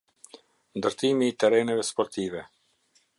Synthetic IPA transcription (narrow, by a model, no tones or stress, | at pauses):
nd̪əɾt̪imiːt̪ɛɾɛnɛvɛspɔɾt̪ivɛ